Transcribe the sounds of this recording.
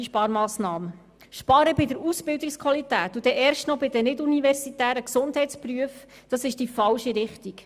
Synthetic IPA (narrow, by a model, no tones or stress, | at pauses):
iʃpɑːɾmɑːsnɑːmə | ʃpɑɾəbɪdəɾusbɪldikskʰwʋɑlit̪æːt̪ud̥̪ɛʔɛːɾʃtnɔbɪd̪ənɪdunivɛɾsit̪æːɾəksʊnd̥ɦhɛjtspɾyəf | d̥ɑsɪʃd̥ifɑlʃiɾɪχtik